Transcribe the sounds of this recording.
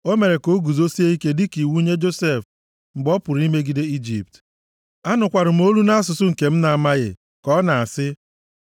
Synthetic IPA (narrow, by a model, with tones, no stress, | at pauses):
o˦me˨ɾe˨ko˦ɡu˨zo˦si˦e˦i˦ke˦dɪ˦ki˨wu˦ɲe˦d͡ʒo˦se˦˨f | m̩˨ɡ͡bɔ˦pʊ˨ɾi˦me˦ɡi˨de˦i˦d͡ʒi˨p̚t | a˦nʊ˨kʷa˨ɾʊ˨m̩˦o˦lu˦na˦a˦s̬ʊ˨sʊ˦ŋ̩˨ke˨m̩˦na˨a˨ma˦ɣɪ̰˨ | kɔ˦na˨a˨sɪ˦